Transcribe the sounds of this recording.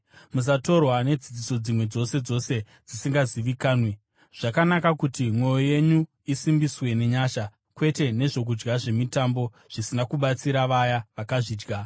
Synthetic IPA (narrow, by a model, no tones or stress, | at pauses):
mus̬ato̞rwane̞d͡zid͡ziso̞d͡zimwe̞d͡zo̞se̞d͡zo̞se̞ | d͡zisiŋɡaziʋikaːnwe | ʐ̥akanakakutimwo̞jo̞je̞ɲu | isimbiswe̞ne̞ɲaːʃa | kwe̞te̞ne̞ʐo̞k̬ud͡ʒɡaʐe̞mitambo̞ | ʐ̥isinakuɓat͡siɾaʋajaʋakaʐiːd͡ʒɡa